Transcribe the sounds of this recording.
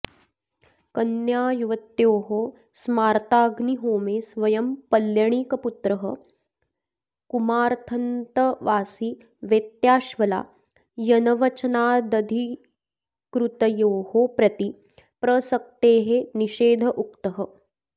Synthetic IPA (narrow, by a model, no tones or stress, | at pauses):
kɐnjaːjuʋɐt̪joːɦo | smaːɾt̪aːɡniɦoːmeːsʋɐjɐmpɐljɐɳ̃iːkɐput̪ɾɐɦɐ̰ | kumaːɾt̪ʰɐnt̪ɐʋaːsi | ʋeːt̪jaːʃʋɐla̰ː | jɐnɐʋɐt͡ʃɐnaːd̪ɐd̪ʱi | kɾut̪ɐjoːhopɾɐt̪i | pɾɐsɐk̚t̪eːɦeniʃeːd̪ʱɐʔukt̪ɐɦɐ